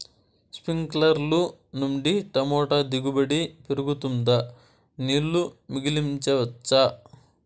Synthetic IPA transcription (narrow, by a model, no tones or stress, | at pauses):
spiŋklɐɾlunuɳɖiʈɐmɔːʈɐd̪iɡubɐɽipeɾuɡut̪und̪ɐ | niːlːumiɡilimɲt͡ʃɐʋɐt͡ʃːɐ